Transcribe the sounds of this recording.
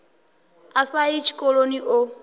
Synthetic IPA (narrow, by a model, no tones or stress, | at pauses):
asait͡ʃʰi̥kʼɔloniʔo